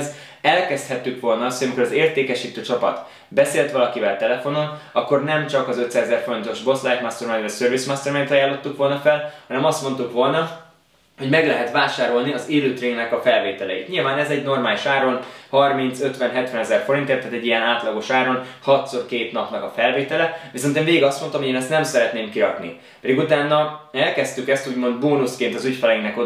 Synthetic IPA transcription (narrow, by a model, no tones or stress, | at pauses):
z | ɛlkɛst̪hɛt̪ːykʋo̞lnɒɒst̪oɟɒmiko̞ɾɒzeːrt̪eːkɛʃiːt̪øːt͡ʃɒpɒ̰t̪ | bɛseːlt̪ʋɒlɒkivɛlt̪ɛlɛfo̞no̞nɒkːo̞rnɛmt͡ʃɒkɒzøt̪saːzɛzɛrfo̞ɾint̪o̞ʒbo̞slajt̪mast̪ørmandɛsøɾvismast̪ørmɛnt̪ɒjaːlːo̞t̪ːukʋo̞lnɒfɛlhɒnɛmɒst̪mo̞nt̪ukʋo̞lnɒ | ho̞ɟmɛɡlɛɦɛt̪ʋaːʃaːɾo̞lniɒziɾyt̪riŋɡnɛkɒfɛlveːt̪ɛlɛjit̪ɲilvaːnɛzɛɟno̞rmaːliʃaːɾo̞nhɒrmint̪søt̪ʋɛnɦɛt̪ʋɛnɛzɛrfo̞ɾint̪eːrt̪aːt̪ɛɟːijɛnaːt̪lɒɡo̞ʃaːɾo̞nhɒt̪sorkeːt̪nɒpnɒkɒfɛlveːt̪ɛlɛviso̞nt̪eːnveːɡiɡɒst̪mo̞nt̪ɒmɦoeːnɛst̪nɛmsɛɾɛt̪neːmkiɾɒknḭ | pɛd̪iɡut̪aːnːɒɛlkɛst̪ykɛst̪uːɟmo̞nd̪boːnuskeːnt̪ɒzycfɛlɛiŋɡnɛko